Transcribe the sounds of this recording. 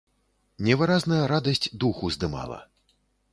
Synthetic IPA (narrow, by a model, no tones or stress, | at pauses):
nʲɛvɨɾaznɐjɐɾad̪ɐsʲtʲd̪uxuzd̪ɨma̰lˠɐ̰